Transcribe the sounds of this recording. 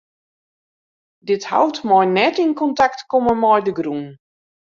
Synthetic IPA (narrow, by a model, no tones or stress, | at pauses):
dɪtha̰wtmɔjnɛtinkɔntaktkoməmɔjdəɡrun